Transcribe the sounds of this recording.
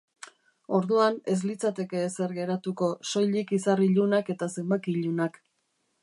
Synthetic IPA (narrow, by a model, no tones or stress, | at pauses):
o̞ɾðuane̞z̬lit͡sat̪e̞ke̞ːseɾɣe̞ɾat̪uko̞so̞jʎikisariʎunake̞t̪ase̞mbakiʎunak